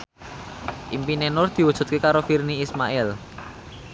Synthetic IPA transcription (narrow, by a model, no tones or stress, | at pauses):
ʔimpinenʊrd̪̥i̤wud̥ʒ̥ṳt̪̚kekaɾofirniːsmaʔɛl